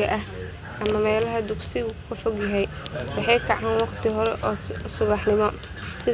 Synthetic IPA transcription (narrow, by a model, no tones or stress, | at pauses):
ɐʔɐh | ʔɐmɐmɛːlɐɦɐd̪ʊksɪʊkʰɐfɔɡjɐɦɛj | wɑħɑjkʰɑʕaːnwɑqt̪ʰɪɦɔɾɛʔɔːsʊβɑħnɪmɔ | sɪ